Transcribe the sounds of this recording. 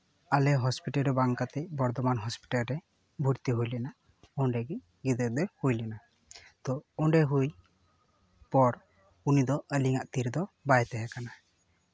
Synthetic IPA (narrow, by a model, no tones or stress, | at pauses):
alɛɦɔspiʈalɾɛbaŋkat̪ɛc̚bɔɾt̪ɔmanɦɔspi̥ʈalɾɛ | bʱuɾt̪iɦujlɛna | ɔɳɖɛɡi | ɡid̪əd̪ɛhujlɛna | t̪ɔɔɳɖɛɦuj | pɔɾ | unid̪ɔʔəliŋaʔt̪iɾd̪ɔbajt̪ɛɦɛkana